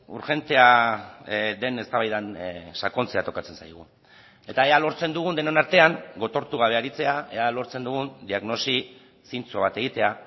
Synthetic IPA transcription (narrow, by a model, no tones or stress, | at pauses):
uɾxe̞nt̪e̞a | ðe̞ne̞st̪aβajðansako̞nt͡se̞at̪o̞kat͡se̞nsajɣ̞ṵ | e̞t̪aealo̞ɾt͡se̞nd̪uɣ̞und̪e̞nenaɾt̪e̞aŋɡo̞t̪o̞ɾt̪uɣ̞aβe̞aɾit͡se̞ae̞alo̞ɾt͡se̞nd̪uɣ̞und̪iaɣno̞si | sint͡soβat̪e̞ɣit̪e̞a